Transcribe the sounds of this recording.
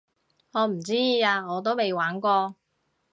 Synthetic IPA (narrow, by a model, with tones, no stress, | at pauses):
ŋɔː˨˧m̩˨˩t͡siː˥˧aː˧ŋɔː˨˧t̪̬o˥wme˨jwaː˨˥nkʷɔː˧